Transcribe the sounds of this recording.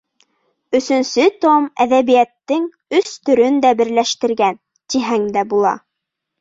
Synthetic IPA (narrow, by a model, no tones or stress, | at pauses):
ɵ̆sɵ̆nsɵt̪omæðæβijæt̪ːɘŋ | ɵst̪ɵ̆ɾɵnd̪æbɘ̆ɾlæʃt̪ɘ̆ɾɡæn | t̪iɦæŋd̪æbulˠɑ̰